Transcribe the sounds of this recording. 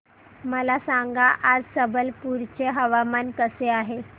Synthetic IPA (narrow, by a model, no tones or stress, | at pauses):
məlasaŋɡaʔad͡zsəbəlpuɾt͡ɕeɦəʋamankəseaɦe